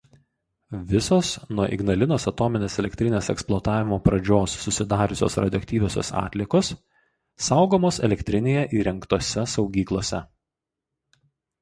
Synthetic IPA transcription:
ʋʲɪsoːsnuɔʔɪ̰ɡnɐlʲɪnoːsɐt̪ɔːmʲɪnʲeːsɛlʲɛkʲt̪ʲɾʲɪnʲeːsɛ̰ksplˠoːt̪ɑːʋʲɪmoːpɾɐd͡ʒʲoːsːʊsʲɪd̪ɑːɾʲʊsʲo̰ːsɾɐd̪ʲɪɔkt̪ʲiːʋʲoːsʲo̰ːsɑ̰ːt̪ʲlʲɪɛkoːsː | ɑˑʊɡoːmoːsɛ̰lʲɛkt̪ʲɾʲɪnʲeːjɛʔiːɾʲɛŋkt̪oːsʲɛsɒʊɡʲiːklˠoːsʲɛ

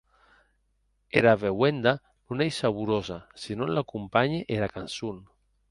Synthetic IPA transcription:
eɾaβewend̪a | nunejsaβuɾozasinõnlakumpaɲeʔeɾakansun

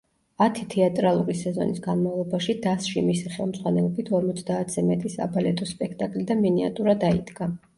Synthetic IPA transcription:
at̪ʰit̪ʰɛat̪ʼɾalˠuɾisɛzɔ̰nisɡanmavlˠɔbaʃid̪asʃimisiχɛlˠmz̥ʁwanɛlɔbit̪ʰɔɾmɔt̪sʰd̪aːt̪ʰz̥ɛmɛt̪ʼisa̰balɛt̪ʼɔspʼɛk̚ʰt̪ʼakʼlid̪aminia̰t̪ʼuɾad̪aḭd̪ɡa

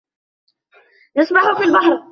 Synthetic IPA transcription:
nasmaħʊfiːlbahɾˤ

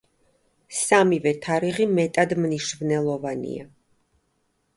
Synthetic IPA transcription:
samivɛt̪ʰaɾiʁimɛt̪ʼad̪mniʃvnɛlˠɔvanḭa̰

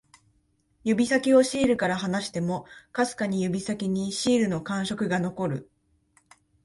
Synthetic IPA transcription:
jɯ̟bʲisakʲio̞ɕiːɾɯ̟kaɾaɦanaɕi̥t̪e̞mo̞kasɨ̥kaɲ̟ijɯ̟bʲisakʲiɲ̟iɕiːɾɯ̟no̞kãɰ̃ɕo̞kɯ̟ɡano̞ko̞ɾɯ̟

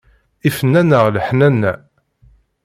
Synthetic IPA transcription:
ifənːænəʁləħnænːæ

